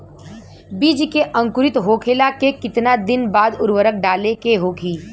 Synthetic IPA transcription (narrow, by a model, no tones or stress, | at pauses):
biːd͡ʒkeʔɐ̃ŋkʊɾɪt̪ɦoːkʰeːlakekɪt̪nad̪ɪnbaːd̪ʊɾwəɾək̚ɖaːlekeɦoːkʰiː